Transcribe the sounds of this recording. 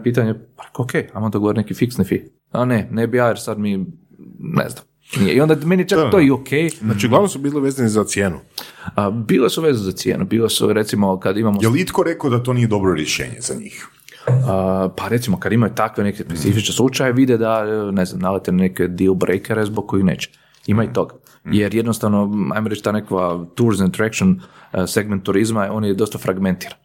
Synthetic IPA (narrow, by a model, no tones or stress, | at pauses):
piːt̪̬aɲepaɾekookejajmod̪aɡooɾinekifiksnifi | anenebijaːjeɾsad̪mi | nḛznam | nijeiond̪ameniet͡ʃetojiokʰejznaːt͡ʃiuɡlaʋnosubiːliʋeːzanizat̪sjeːnṵəbiːlesuʋezuzat̪sjḛːnʔubiːlesṵɾet̪simokad̪imamojelit̪koɾekod̪at̪oniːjed̪o̞bɾoɾjeʃḛːɲezaɲḭːx | əpaɾe̞t̪simo̞kad̪imajut̪akʋenekespesifit͡ʃneslˠut͡ʃajeʋid̪ed̪aneznamnalet̪enneked̪ilbɾʔejkeɾezbok̚kːoixnḛːt͡ʃe̥ | imait̪o̞ɡa | jeɾjed̪nost̪aʋnoa̰jmoɾet͡ʃt̪aːnekʋat̪uɾzant̪ɾekt͡ʃonse̞ɡment̪ːuɾizmao̞ːnjed̪o̞st̪afɾaɡment̪iːɾan